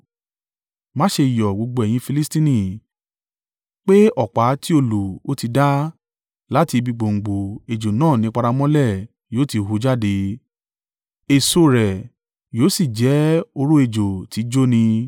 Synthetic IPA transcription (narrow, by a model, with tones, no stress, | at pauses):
mã˦ʃe˧i˨jɔ˨ɡ͡bo˧ɡ͡bo˧ɛ˨j̃ĩ˧fi˧li˦stĩ˦nĩ˦˨ | k͡pe˦ɔ˦˨k͡pa˨˦ti˦o˧lu˨o˦ti˧da˦ | la˨˦ti˧bi˧ɡ͡bo˨ŋ̩˨ɡ͡bo˨e˨d͡ʒo˨nãː˦˨nĩ˨˦k͡pa˧ɾa˧mɔ̃˦lɛ˦˨ | joː˨˦ti˧ɦu˧˦d͡ʒa˦de˧ | e˨so˧ɾɛ˨ | joː˨˦si˦˨d͡ʒɛ˨˦o˧ɾo˦e˧˨d͡ʒo˨ti˨˦d͡ʒo˦nĩ˧